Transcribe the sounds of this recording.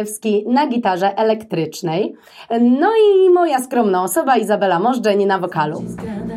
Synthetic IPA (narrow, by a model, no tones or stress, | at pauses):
ɛfskʲinaɡʲit̪aʐɛʔɛlɛkt̪ɾɘt͡ʂnɛj | nɔimɔjaskɾɔmnãɔsɔbaizabɛlamɔʐd͡ʐɛɲinavɔkalṵ